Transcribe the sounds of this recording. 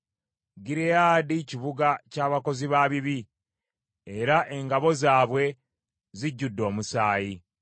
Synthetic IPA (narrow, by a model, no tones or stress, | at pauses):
ɡiɾejaːdiciβuɡacaːβako̞ziβaːβiβi | eɾaʔe̞ŋɡaβo̞zaːβwe̞ | ziɟːudːo̞ːmusaːji